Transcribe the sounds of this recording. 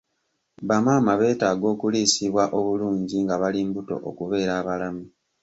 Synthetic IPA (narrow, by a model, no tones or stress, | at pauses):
βamaːmaβe̞ːtaːɡo̞ːkuliːsiβwaʔo̞βuluːɲɟiŋɡaβaliːmbuto̞̰ʔokuβe̞ːɾaːβalami